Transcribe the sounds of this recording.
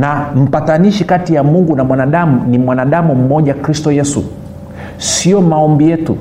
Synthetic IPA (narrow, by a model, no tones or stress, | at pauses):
nam̩pataniʃikatijamuŋɡunamwanaɗamunimwanaɗamum̩mɔʄakɾistɔjɛsṵ | siɔmaɔmbijɛtṵ